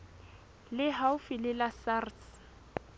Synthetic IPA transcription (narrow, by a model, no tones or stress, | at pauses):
lɪɦaʊfɪlɪlasars